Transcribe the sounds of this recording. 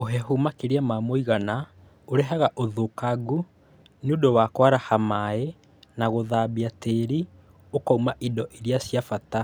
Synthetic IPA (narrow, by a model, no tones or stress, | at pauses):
oɦɛɦumakeɾeamamoiɣana | oɾɛɦaɣaʔoðokaɡu | neodowaːkwaɾahamae | naɣoðaːbiateɾi | okaumaʔidɔʔeɾiasjafata